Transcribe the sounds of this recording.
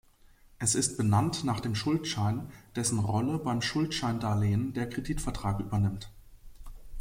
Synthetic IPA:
ʔɛsɪst̚b̥ənantnaːχd̥eːmʃʊltʃaɪnd̥ɛsn̩ʁɔləbaɪmʃʊltʃaɪndaːleːəndeːɐkʁ̥ediːtfɛɐtʁ̥aːkʔy̰ːbɐnɪmt

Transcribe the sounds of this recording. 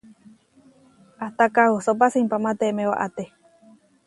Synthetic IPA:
aht̪akahusop̬asimpamat̪emẽwa̰ʔat̪e

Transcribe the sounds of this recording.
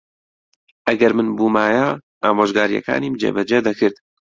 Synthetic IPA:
ʔɐɡɐɾmɨnbuːmaːjaː | aːmoːʒɡaːɾijɛ̰ka̰ːniːmd͡ʒḛːbɛd͡ʒɛd̪ɐkʰɨɾd̪

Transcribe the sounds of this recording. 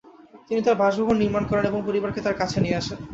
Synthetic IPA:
t̪init̪aɾbʱaʃbʱoɦonːiɾmankɔɾeneboŋpoɾibaɾket̪aɾkat͡ɕʰenijeaʃen

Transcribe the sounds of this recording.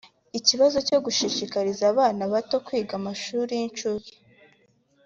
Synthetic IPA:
iciβazo̞co̞ɡuʃiʃikaɾizaːβaːnaβato̞kwiːɡamaʃuːɾijint͡ʃuɾi

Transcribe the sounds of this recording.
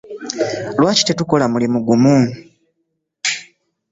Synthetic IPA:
lwaːci̥tetuko̞lamulimuɡumu

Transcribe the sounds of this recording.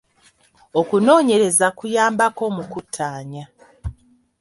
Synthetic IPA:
o̞kuno̞ːɲe̞ɾe̞zakujaːmbako̞mukutʰːaːɲa

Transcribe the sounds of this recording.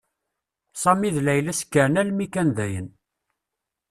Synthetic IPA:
sˤɑmiðlæjlæskːəɾnælmikænðæjə̰n

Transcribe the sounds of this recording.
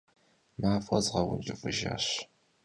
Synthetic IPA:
maːfɐzʁɐwʊnd͡ʒʼɪfʼɨʒa̰ːɕ

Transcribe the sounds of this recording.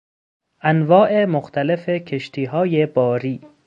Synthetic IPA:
ʔænvɒːʔemoxt̪ʰæle̞fecʰe̞ʃt̪ʰiːɦɒːjebɒːɾiː

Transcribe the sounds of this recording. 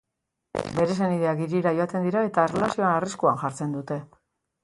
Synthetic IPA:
be̞ɾe̞se̞niðe̞aɡiɾiɾajoat̪e̞nd̪iɾae̞t̪aerelasio̞aːriskuanʝaɾt͡se̞nd̪ut̪e̞

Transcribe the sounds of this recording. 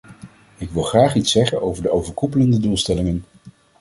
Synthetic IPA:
ɪkʋɪlˠχraːχitsɛχənowvəɹdəowvəɹkupələndədulˠstɛlɪŋən

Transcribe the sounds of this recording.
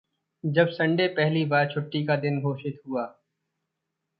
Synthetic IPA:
d͡ʒɐbsɐ̃ɳɖepɛɦlibaːɾt͡ʃʰʊʈːikad̪ɪnɡʱoːʃɪt̪ɦuaː

